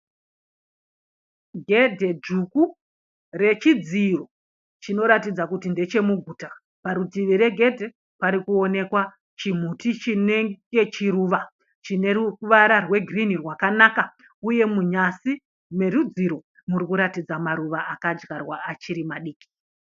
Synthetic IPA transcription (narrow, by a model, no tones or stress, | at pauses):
ɡʱedʱe̞d͡ʒuku | re̞t͡ʃid͡ziro̞ | t͡ʃino̞ɾatid͡zakutinde̞t͡ʃe̞muɡʱuːta | paɾutiʋiɾe̞ɡʱe̞dʱe̞ | paɾikuo̞ne̞kwa | t͡ʃim̤utit͡ʃineŋɡe̞t͡ʃiɾuːʋa | t͡ʃine̞ruʋaɾarwe̞ɡʱrinirwakanaːka | uje̞muɲasi | me̞rud͡ziɾo̞ | murikuɾatid͡zamaɾuʋaʔakad͡ʒɣarwaːt͡ʃiɾimaɗiːki̥